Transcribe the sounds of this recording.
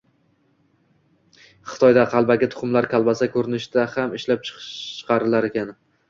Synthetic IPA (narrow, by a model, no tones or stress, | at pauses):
χɨ̥t̪ʰɒjd̪aqʰɑlˠbaɡʲɪt̪ʰʊ̥χʊmlaɾkʲʰalˠbasakʰɵɾɪnɪʃɪd̪̥ahamɪʃlap̚t͡ʃʰɨ̥qːqʰɑɾɪlaɾekʲan